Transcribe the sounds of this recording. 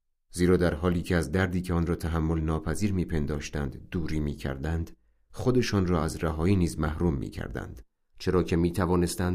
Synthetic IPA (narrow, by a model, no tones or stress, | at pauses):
ziːɾɒːd̪æɾɦɒːliːcʰeæzd̪æɾd̪iːcʰeɒːnrɒːt̪ʰæɦæmːo̞lnɒːpʰæziːɾmiːpʰe̞nd̪ɒːʃt̪ænd̪ːuːɾiːmiːcʰæ̰ɾd̪ænd̪ | χod̪e̞ʃɒːnrɒːæzræɦɒːiːniːzmæhɾuːmːḭːcʰæ̰ɾd̪æ̰nd̪̥ | t͡ʃʰe̞ɾɒːcʲʰe̞miːt̪ʰævɒːne̞st̪ænd̪